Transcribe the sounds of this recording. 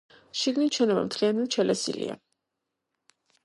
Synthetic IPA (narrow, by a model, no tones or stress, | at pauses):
ʃiɡnit͡ʃʰɛnaba̰mt̪ʰχianɛlt͡ʃʰɛlɛsḭlḭa̰